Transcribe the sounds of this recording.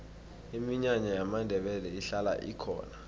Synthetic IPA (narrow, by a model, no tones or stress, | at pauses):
imiɲaɲɔjamandʱɛɓɛlɛiɬala̰ʔḭkʰɔ̰ːna